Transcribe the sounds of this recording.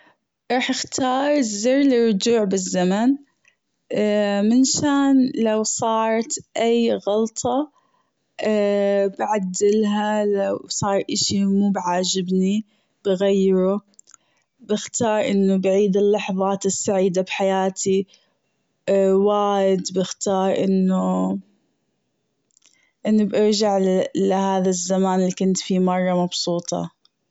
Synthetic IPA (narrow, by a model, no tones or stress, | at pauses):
ɾˤɑːħɪxt̪ʰɑːɾˤziɾlɪrˤːʊd͡ʒuːʕbɪzːaman | mɪnʃaːnlawsˤɑːɾˤt̪ʔajɣɑlt̪ˤʰɑ | bʕad̪ːɪlɦalawsˤɑːɾˤʔɪʃimuːbʕaːd͡ʒɪbni | b̥ɪɣajːɪɾu | bɪxt̪ɑːɾˤʔɪnːʊbʕiːd̪ɪlːɑħðˤɑːt̪ɪsːaʕiːd̪abħajaːt̪ʰi | waːjɪd̪bɪxt̪ɑːɾˤʔɪnːʊ | ʔɪnːʊbʔɪɾd͡ʒaʕlɪhaːðazːamaːnɪlːikʊnt̪fimɑrˤːɑmɑbsˤuːt̪ˤɑ̰